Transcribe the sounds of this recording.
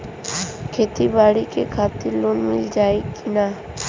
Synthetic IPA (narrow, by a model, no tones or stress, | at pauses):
kʰeːt̪ibaːɽikekʰaːt̪ɪɾloːnmɪld͡ʒaːekinaː